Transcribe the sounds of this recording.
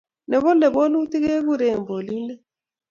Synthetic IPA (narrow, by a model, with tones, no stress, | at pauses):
nɛ˨βɔ˦lɛ˨bo˦lu˦ti˦ke˦βu˦˨ɾe˦˨mbo˨li˦nɛ˦